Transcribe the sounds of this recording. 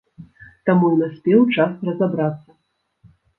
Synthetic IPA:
t̪amunasʲpʲɛwt͡ʂasrɐzabɾat̪sːɐ

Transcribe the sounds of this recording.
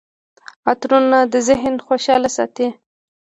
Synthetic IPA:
ɑt̪ɾunad̪əzɪɦnxoʃɑlasɑ̰t̪i

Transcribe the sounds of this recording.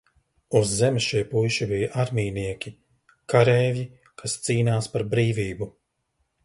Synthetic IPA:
uzːɛmsʃijpujʃibijaʔaɾmiːniɛkʲi | kaɾɛːvji | kʰast̪siːnaːspaɾbɾiːviːbu

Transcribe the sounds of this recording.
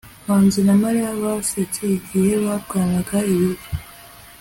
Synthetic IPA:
βaːnzinamaɾijaβasecʰeɡijeβaβ̚ɡaːnaɡaiβiɾi

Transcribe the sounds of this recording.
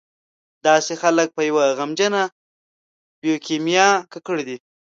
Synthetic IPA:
d̪ɑsexalək̚pəjawaɣamd͡ʒəna | bjokemjɑkakəɽid̪i

